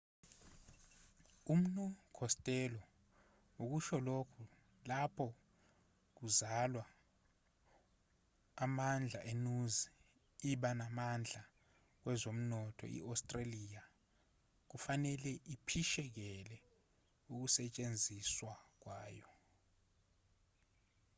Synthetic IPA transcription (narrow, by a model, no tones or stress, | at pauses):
um̩nukʰɔstʼɛlɔ | uk̬uʃɔlokʰu | lapʰɔ | k̬uzalwa | mand͡ɮʱaʔenuzi | iɓanamand͡ɮʱa | k̬wɛzom̩nɔtʰɔ̰ḭʔawstʼralija | k̬ufanɛlɛʔipʰiʃɛk̬ɛlɛ | uk̬usɛt͡ʃʼend͡zʱiswak̬waːjɔ